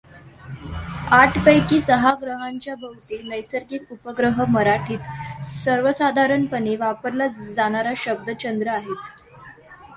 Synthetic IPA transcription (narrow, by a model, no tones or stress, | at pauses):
aʈʰpəjkiːsəɦaɡɾəɦaɲt͡ɕjabʱəʋt̪inəjsəɾɡiːt̪upəɡɾəɦəməɾaʈʰiːt̪səɾʋəsad̪ʱaɾəɳpəniʋapəɾlad͡zaɽ̃aɾaɕəb̚d̪ət͡ɕənd̪ɾəaɦet̪